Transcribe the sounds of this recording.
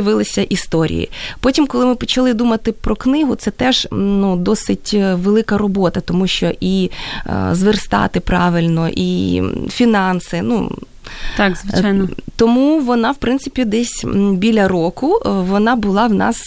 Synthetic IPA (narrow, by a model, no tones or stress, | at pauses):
ɪʋɪlˠɪsʲɐʔist̪ɔɾʲḭjḭpɔtʲimkɔlˠɪmɪpɔt͡ʃɐlˠɪd̪umɐt̪ɪpɾɔknɪɦʊt̪sɛt̪ɛʒ̥nud̪ɔsɪtʲʋelˠɪkɐɾɔbɔt̪ɐt̪ɔmuʃt͡ʃɔʔḭ | zʋerst̪ɑ̰t̪ɪpɾɑ̰ʋɪlʲnɔʔifʲinɑnsɪnṵ | t̪ɑkzʋɪajnt̪ɔmuʋɔnɑwpɾɪnt̪sɪpʲid̪ɛsʲbʲilʲɐɾokʊʋɔnɑbʊlˠɑwnɑ̰s